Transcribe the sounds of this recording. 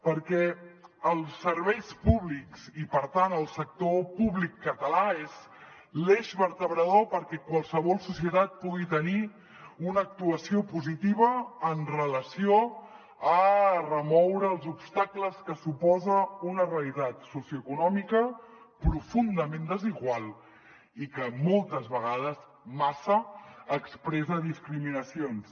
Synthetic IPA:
pəɾkɛəlˠsəɾβɛjspuβliksipəɾt̪anəlˠsək̚t̪opuβlikːət̪əlaez | leʃβəɾt̪əβɾəðopəɾkɛkwalˠsəβɔlˠsusiət̪at̪̚puɣit̪əni | unəːk̚t̪uəsiopuzit̪iβ̞əːnrələsio | ərəmɔwɾəːlˠzupst̪akləskəsupɔzəunəreəlit̪at̪susiuəkunɔmikə | pɾufund̪əmẽnd̪əziɣwalˠ | ikəmolˠt̪əzβəɣ̞aðəz | masəːkspɾɛzəðiskɾiminəsions

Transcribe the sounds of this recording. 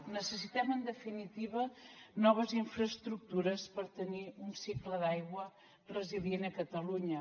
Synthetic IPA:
nəsəsit̪ɛmənd̪əfinit̪iβ̞ənɔβ̞əziɱfɾəːst̪ɾuk̚t̪uɾəspəɾt̪əniunsikləðajɣwə | rəziðienəkət̪əluɲə

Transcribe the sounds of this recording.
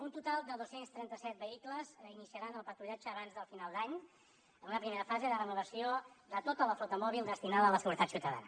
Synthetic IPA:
unt̪ut̪alˠd̪əðosenst̪ɾɛnt̪əsɛt̪̚bəikləzinisiəɾanəlˠpəɾt̪ɾuʎad͡ʒəːβanzðəlˠfinalˠd̪aɲ | ənunəpɾimeɾəfazeðərənuβəsiod̪ət̪ot̪ələflɔt̪əmɔβilˠd̪əst̪inaðələsəɣuɾət̪at̪siwt̪əða̰nə

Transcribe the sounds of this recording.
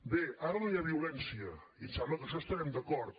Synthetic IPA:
beaɾənojaβiulɛnsiə | isɛmləkəʃɔest̪aɾɛmd̪əkɔɾt̪

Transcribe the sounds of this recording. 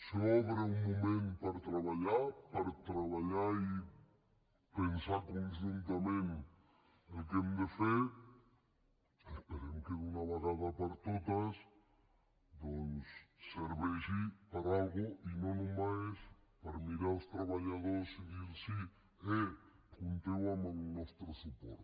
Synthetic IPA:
sɔβɾeuŋmomẽnpaɾt̪ɾaβaʎaɾpaɾt̪ɾaβaʎaɾi | pensaɾkons̬ent̪amẽn | ekemd̪efeɾ | espeɾemkeunaβaɣaðapaɾt̪ot̪as | d̪onsːeɾβeʃipaɾalɣoʔinonomaspaɾamiɾaost̪ɾaβaʎaðoɾsiɣiɾsi | e | kunt̪eamanunwest̪ɾosupoɾt̪

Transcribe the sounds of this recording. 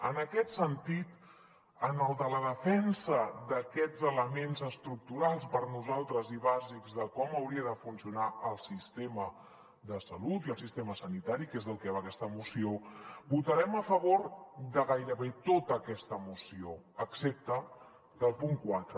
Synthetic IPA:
ənəkɛt̪sənt̪it̪ | ənəlˠd̪ələðəfɛnsəðəkɛd͡zələmenzəst̪ɾuk̚t̪uɾalˠspəɾnuzalˠt̪ɾəziβazikzðəkɔməwɾiəðəfunsiunaəlˠsist̪emə | ðəsəlut̪iəlˠsist̪eməsənit̪aɾikezðəlˠkβakɛst̪əmusiobut̪əɾɛməfəβ̞oɾd̪əɣajɾəβet̪ot̪əːkɛst̪əmusio | əksep̚t̪ə | d̪əlˠpuŋkwat̪ɾə

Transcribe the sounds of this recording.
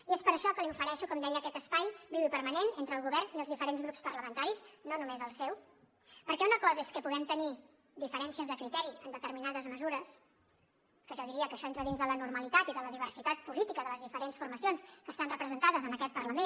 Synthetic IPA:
iespəɾəʃɔkəliɱfəɾɛʃukɔmd̪ɛjəːkɛt̪əspajbiβipəɾmənenent̪ɾəlˠɣuβɛrniəlˠzðifəɾenzɣɾupspərləmənt̪aɾiznonumezəlˠsɛw | pəɾkɛunəkɔzəeskəpuðɛmt̪əni | d̪ifəɾɛnsiəzðəkɾit̪ɛɾiənd̪ət̪əɾminaðəzməzuɾəs | kəʒɔðiɾiəkəʃɔent̪ɾəðinzðələnuɾməlit̪at̪iðələðiβərsit̪at̪̚pulit̪ikəðələzðifəɾensfurməsionskəːst̪anrəpɾəzənt̪aðəzənəkɛt̪̚pərləmen

